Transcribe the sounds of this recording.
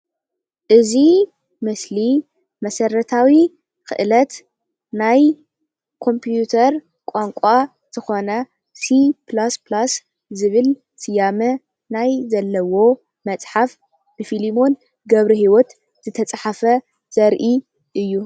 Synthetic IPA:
ʔɨzi | mɨsli | mɐsɐɾɐt̪ʰawi | kɨ̰ʔɨlɐt̪ | naj | kʰo̞mpʰijut̪ʰɐɾ | kʷʼaŋkʷʼa | tɨxonɐ | siplasplas | zɨβɨl | sɨjamɐ | najzɐlːɐwo̞ | mɐt͡sʼħaf | b̥ɨfilimo̞n | ɡɐβɾihiwɔt̪ | z̥ɨt̪ʰɐt͡sʼħafɐ | z̥ɐɾʔi | ʔɨjːu

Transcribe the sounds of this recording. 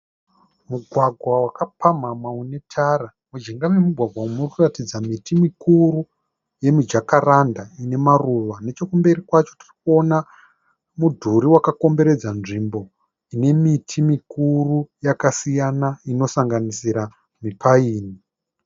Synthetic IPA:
muɡʱwaɡʱwawakapamamwaune̞tʰara | mud͡ʒiŋɡamemuɡʱwaɡʱwaumurkuratid͡zamitimikuɾu | je̞mid͡ʒakarandaine̞maruʋane̞t͡ʃo̞kumbe̞ɾikwat͡ʃo̞ti̥rikuo̞na | mudʱuɾiwakako̞mbe̞ɾe̞d͡zanʐimbo̞ | ine̞mitʰimikurujakasijanaino̞saŋɡanisiɾa | mipʰaiːni

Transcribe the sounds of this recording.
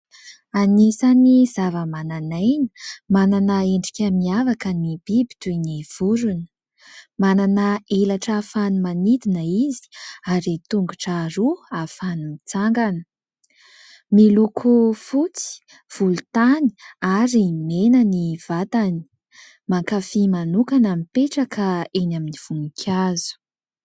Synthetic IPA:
anisanizavəmananajnə̥mananəeɳɖ͡ʐikʲəmiavakənibibi̥t̪ujniv̥uɾun | mananaelaʈ͡ʂəfanumanid̪inəizi̥aɾit̪uŋɡuʈ͡ʂaɾuafanumit͡saŋɡanə | milukʰufut͡si̥ | v̥ulut̪ani̥aɾimenəniv̥at̪ani̥ | maŋkafimanukanamipeʈ͡ʂakʰəenaminiv̥unikʰʲazu̥

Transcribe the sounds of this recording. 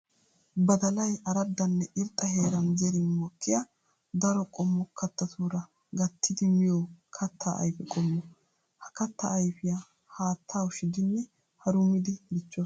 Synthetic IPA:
bɐd̪ɐlɐjɐɾɐd̪ːɐnːɛʔɪɾt̪ʼːɐɦe̞ːɾɐnzɛɾɪnmɔkːɪjɐ | d̪ɐɾɔkʼɔmːɔkːɐt̪ːɐt̪ʰuːɾɐ | ɡɐt̪ʰːɪd̪ɪmɪjɔkʰɐt̪ːa̰ɐ̰jfɛkʼɔmːɔ | hɐ̥kɐt̪ːɐ̰ʔːjfɪja | haːt̪ʰːaːʊʃɪd̪ɪnːɛ | hɐɾʊmːɪd̪ɪɡɪt͡ʃːo

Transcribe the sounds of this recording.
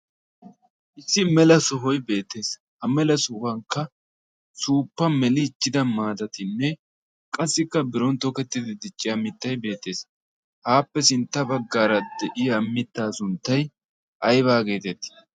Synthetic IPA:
ʔɪsːɪmɛlɐsɔɦɔjbe̞ːt̪ːe̞ːs | hɐmɛlɐsuːfɐŋkːɐ | suːpːɐmɛlɪːt͡ʃːɪd̪ɐmaːd̪ɐt̪ɪnːɛ | kʼɐsːɪkːɐbɪɾɔnt̪ɔkɛt̪ːɪd̪ɪd̪ɪt͡ʃʼːɪɐmːɪt̪ːɐjbe̞ːt̪ːe̞ːs | haːpːɛsɪnt̪ːɐbɐɡːaːɾɐd̪ɛʔɪjɐmːɪt̪ːaːsʊnt̪ːɐj | ɐjβaːɡe̞ːt̪ɛt̪ːɪ̥

